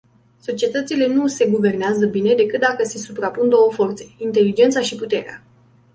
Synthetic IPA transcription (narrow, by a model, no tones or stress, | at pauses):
so̞t͡ʃie̞t̪ət̪sile̞nuse̞ɡuve̞rneazəbine̞d̪e̞kɨt̪̚d̪akəse̞supɾapund̪o̞wəfo̞rt̪se̞̥int̪e̞lid͡ʒe̞nt̪saʃiput̪e̞ɾea̰